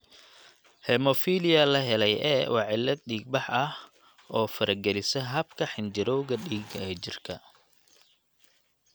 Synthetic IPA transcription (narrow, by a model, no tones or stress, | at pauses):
hɛmɔfiːlɪjɐlɐɦɛlɛjʔɛ̰ːwɑʕɪlɐd̪̚ɗiːɡ̚bɑħʔɐh | ʔɔːfɐɾʔɐɡɛlɪsɛɦɐbkʰɐħɪnd͡ʒɪɾɔwɣɐɗiːɡɛːt͡ʃɪrkʰɐ̰